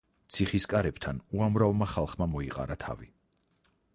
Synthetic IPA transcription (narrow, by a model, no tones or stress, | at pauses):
t̪sʰiχiskʼaɾɛpt̪ʰanuamɾavmaχalˠχmamɔiqʼa̰ɾat̪ʰa̰vi